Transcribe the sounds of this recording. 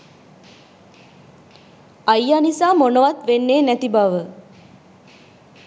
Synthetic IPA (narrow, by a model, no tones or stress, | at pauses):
ajːanisaːmonəʋat̪ʋenːeːnæt̪ibaʋə